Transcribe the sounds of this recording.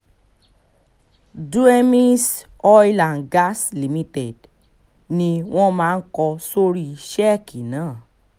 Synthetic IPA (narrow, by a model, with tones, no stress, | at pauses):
du˦e˦mĩ˦s | ɔ˦i˦lã˨nɡa˦sli˨mĩ˧tɛ˨d | nĩ˧w̃ɔ̃˦mãː˦˧n̩˦kɔ˧so˦ɾi˦i˨ʃɛ˦˨ki˨nãː˨˦˨